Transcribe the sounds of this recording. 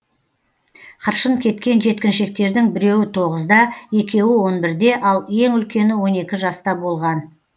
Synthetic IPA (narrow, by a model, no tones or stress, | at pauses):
qʰəɾʃənkʲʰe̞t̪kʲe̞nʒe̞t̪kʲɪnʃe̞k̚t̪e̞ɾd̪ɪŋbɪɾe̞wɪt̪ʰo̞ʁəzd̪ɑje̞kʲe̞wɪwo̞nbɪɾd̪e̞ʔɑlˠje̞ŋʏlkʲe̞nɪwo̞ne̞kʲɪʒɑst̪ɑbo̞lˠʁɑn